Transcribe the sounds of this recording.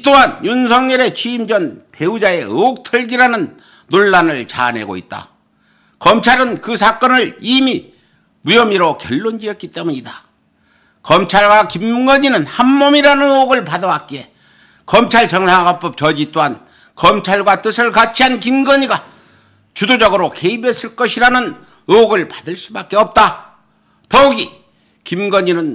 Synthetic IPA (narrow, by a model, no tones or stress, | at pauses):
t͈oɦanjunsʰʌŋɲʌɾe̞t͡ɕʰiːmd͡ʑʌnpe̞ud͡ʑae̞ɯk̚tʰɯɭɡiɾanɯnː | oɭːanɯɭt͡ɕa̰ne̞̰ɡo̰ḭt̚t͈a̰ | kʌmt͡ɕʰaɾɯnkɯsʰak͈ʌnɯɭimi | mujʌmiɾokjʌɭːond͡ʑiʌt̚k͈it͈e̞muɲida | kʌmt͡ɕʰaɭɡwakimɡʌɲinɯnhamːʌmiɾanɯnɯoɡɯɭpadʌwak͈ie̞ | kʌmt͡ɕʰaɭt͡ɕʌŋsʰaŋɡap͈ʌp̚t͡ɕʌd͡ʑit͈oɦan | kʌmt͡ɕʰaɭɡwat͈ɯsʰɯɭkat͡ɕʰiankimɡʌɲiɡa | t͡ɕudod͡ʑʌɡɯɾoke̞ibe̞s͈ɯɭk͈ʌɕʰiɾanɯn | ɯoɡɯɭpḁdɯɭs͈ubak͈̚e̞ʌp̚t͈a | t̪ʌuɡi | kimɡʌɲinɯn